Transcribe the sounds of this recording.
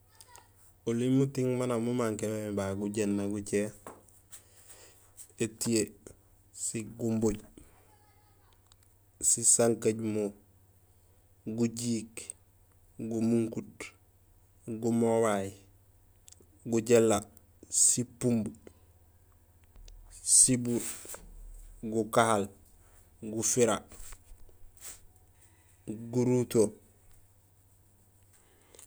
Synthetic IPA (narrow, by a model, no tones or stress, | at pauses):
ulimutiŋmanamumaŋkenomebaɡuɟenːaɡut͡ʃe | etie | siɡumboɟ | sisaŋkaɟmu | ɡuɟiːk | ɡumuŋkut | ɡumowaj | ɡuɟelːa | sipumb | sibu | ɡukahal | ɡufiɾa | ɡuɾuto